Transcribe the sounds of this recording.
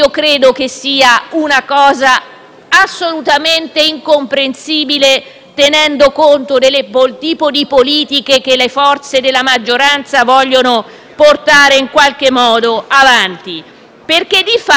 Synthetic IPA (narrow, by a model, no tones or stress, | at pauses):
okɾeːd̪okesiːaunakɔːzaː | sːolut̪ament̪eiŋkompɾensiːbile | t̪enɛnd̪okont̪od̪elːepolt̪iːpod̪ipoliːt̪ikek̟elːefɔrt̪sed̪elːamad͡ʒːoɾant̪savɔʎːono | port̪aːɾeiŋkwalk̟emːɔːd̪oavant̪i | perk̟ed̪ifa